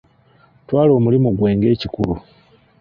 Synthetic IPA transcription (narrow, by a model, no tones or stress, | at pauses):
twaːlo̞ːmulimuɡwe̞ːŋɡe̞ːcikulu